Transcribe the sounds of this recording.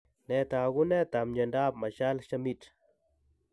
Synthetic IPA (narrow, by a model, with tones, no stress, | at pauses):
nɛ˨t̪a˨ɡu˦nɛ˦t̪a˨mɲə˨nda˦p̚ma˨ʃa˦lʃa˦mi˦t